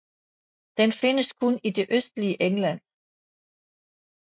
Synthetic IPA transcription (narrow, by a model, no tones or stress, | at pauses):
d̥enfe̝nəskʰonid̥e̝ʔøsd̥liəʔeŋlæn̰